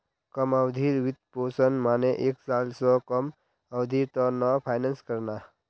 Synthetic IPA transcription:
kəməwd̪ʱiɾwit̪̚poːsənmaːneʔeːksaːlsɔ̃kəm | əwd̪ʱit̪ɔnɔpʰaːɪnənskəɾna

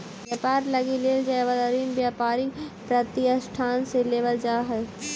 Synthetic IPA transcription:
bjaːpaːɾlɐɡileːld͡ʒaeʋəd̪əɾiːnbjaːpaːɾɪɡpɾɐt̪ijəsʈʰaːnseleːʋəld͡ʒaːɦɛː

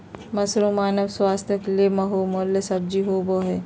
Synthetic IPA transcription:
mɐsɾomaːnɐʋswaːst̪ʰjɐklemɐɦoːmolːesɐb̚d͡ʒiɦoːboːɦe

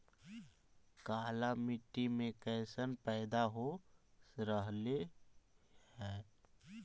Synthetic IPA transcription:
kaːlamɪʈːimẽkɛːsənpɛːd̪aɦo | ɾəɦle | hɛː

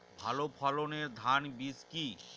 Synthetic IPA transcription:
bʱalopʰɔloneɾd̪ʱanbiski

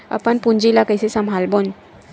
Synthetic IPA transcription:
ə̰pəɳpuɲd͡ʑilakəjsesəmɦalbon

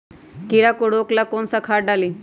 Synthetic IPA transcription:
kiɾakoɽoklakonsakʰaʈɖali

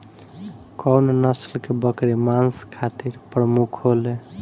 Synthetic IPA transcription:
kɔwnnəslkebəkɾemanskʰat̪iɾpɾəmukʰɦole

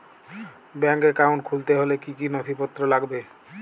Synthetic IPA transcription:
bɛŋkeɾkawɳʈ̚kʰult̪eɦolekikinot̪ʰipot̪ːɾolaɡbe

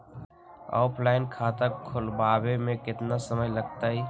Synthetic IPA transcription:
a̰ːpʰlaːɪnkʰaːt̪akʰːʊlbaːbemẽkɪt̪nasəməjləɡt̪aɦiː

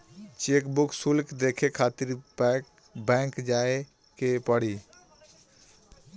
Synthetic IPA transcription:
t͡ʃekbuksulkd̪ekʰekʰat̪iɾpɛk | bɛ̃ŋkd͡ʒae | kepəɽi

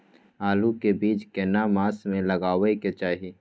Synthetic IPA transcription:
aːlukebiːt͡ʃkenamaːsmẽləɡaːweket͡ʃaːɦi

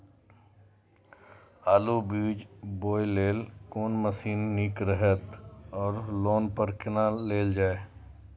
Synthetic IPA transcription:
aːlubiːd͡ʒboːjleːlkoːnməsiːnːikɾəɦət̪ɔːɾloːnpəɾkɪnaleːld͡ʒaːe

